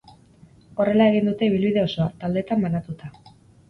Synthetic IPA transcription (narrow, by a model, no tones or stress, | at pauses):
o̞re̞lae̞ɣ̞ind̪ut̪e̞iβilβiðe̞o̞so̞at̪ald̪e̞t̪ambanat̪ut̪a